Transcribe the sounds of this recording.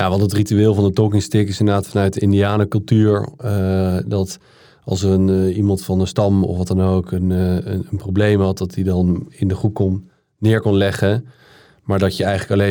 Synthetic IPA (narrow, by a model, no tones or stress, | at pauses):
jaʋɑntətrityɪːlˠvɑndətokɪŋstɪkɪsɪndədaːtfɑnœɥt̚əɪndiaːnəkɵlˠtyːɹədɑt | ɑ̰lˠsərənimɑntfɑnənstɑmɔ̰fʋɑtɑnokʰənənprowblejmɦɑt̚dɑtdidɑnɪndəχrup̚konː | ɪːɹkɔnlɛχə | maːɹdɑtjəɛjχələkɑlen